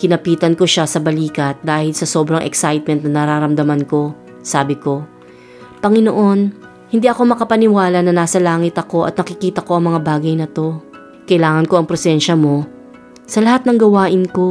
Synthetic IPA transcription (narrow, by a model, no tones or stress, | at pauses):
kɪnɐpiːt̪ɐnko̞ʃasɐbɐliːkɐt̪̚d̪aːhɪlsɐso̞ːbɾɐŋʔɛ̰ksajt̪̚mɛnt̪nɐnɐɾaːɾɐmd̪ɐmɐnko̞ | saːbɪko̞ | pɐŋɪnoʔo̞n | hɪnd̪iʔɐko̞mɐkɐpɐnɪwaːlɐnɐnaːsɐlaːŋɪt̪ɐko̞ʔɐ̰t̪̚nɐkɪkiːt̪ɐko̞ʔɐŋmɐŋabaːɡɐjnɐt̪o̞ | kɐʔɪlaːŋɐnko̞ʔɐŋpɾosɛnʃɐmo̞ | sɐlɐhat̪̚nɐŋɡɐwaːʔɪnko̞